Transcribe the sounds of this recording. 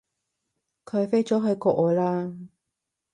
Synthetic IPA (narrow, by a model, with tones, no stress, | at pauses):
kʰɵ˨˧ɥfe˥jt͡sɔː˨˥ɦɵ˨˧ɥkɔː˧ʔɔː˨˧jlaː˥